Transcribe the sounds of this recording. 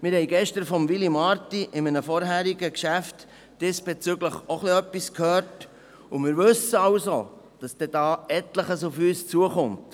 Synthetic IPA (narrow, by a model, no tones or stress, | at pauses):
mɪɾhɛɪɡɛʃtəɾfɔmvilimɑɾtiʔɪmənəfɔɾɦæːɾiɡəkʃæft | d̥ɛsb̥et͡syɡləχoχliœpːiskʰhøːɾt | ʊmɪːɾʋɵsəɑʊso | d̥ɑsd̥ɛd̥ɑːɛtləχəsʊfyːst͡suəχʊmt